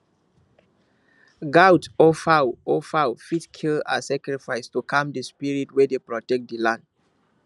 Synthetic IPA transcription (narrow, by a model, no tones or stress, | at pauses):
ɡawtɔfawɔfawfitkʰila̰sakɹifajstukʰãmdəspiɹitwɛdepɹɔtɛk̚t̚dəlãnd